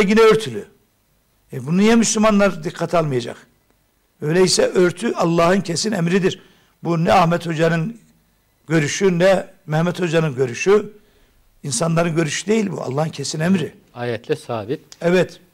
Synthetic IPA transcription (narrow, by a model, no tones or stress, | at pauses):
ɟinɛøɾt̪ʰylʲy | abununijɛmyslʲymanlˠaɾd̪ikʰːat̪ʰalˠmɯjad͡ʒa̰q | bøjlʲeɛisɛʔøɾt̪ʰyʔɑlˠːɑːhɯncʰesinɛmɾid̪iɾ | bunɛahmɛt̪ho̞d͡ʒanɯn | ɟ̥ø̞ɾyʃynɛmɛhmɛt̪ho̞d͡ʒanɯnɟø̞ɾyʃy | insanlˠaɾɯnɟø̞ɾyʃy̥d̪e̞jilʲbṵɑ̰lˠːaːhɯncʰesinɛmɾi | aːjɛt̪ʰlʲɛsaːbit̪ɛvɛt̪